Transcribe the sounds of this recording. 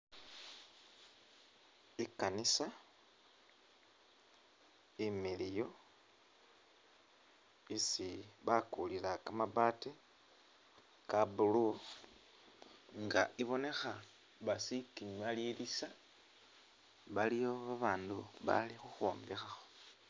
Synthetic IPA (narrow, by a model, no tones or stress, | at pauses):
ikanisa | imilijo̞ | isiβakulilakamabaːte | kabulu | ŋɡa̰ʔiβo̞ne̞xa | βasikiɲwalilisa | βalijoβaβaːnduβa̰lixuxoːmbexaxo̥